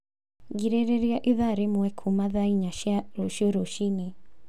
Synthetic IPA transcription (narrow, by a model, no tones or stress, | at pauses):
ɡiɾeɾeɾiaʔiðaɾemwɛkʰumaðaiɲaʃjaɾoʃioɾoʃini